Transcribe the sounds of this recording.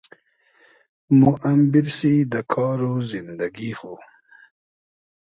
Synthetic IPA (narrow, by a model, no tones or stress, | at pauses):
muʔambɪɾsid̪əkʰɑːɾozɪnd̪aɡixo